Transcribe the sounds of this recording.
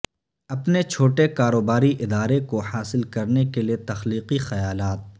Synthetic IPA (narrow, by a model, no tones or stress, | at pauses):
ɐpnet͡ʃʰoːʈekaːɾoːbaːɾiʔɪd̪aːɾekohaːsɪlkɐɾnekeliet̪ɐxliːqixɐjaːlaːt̪̚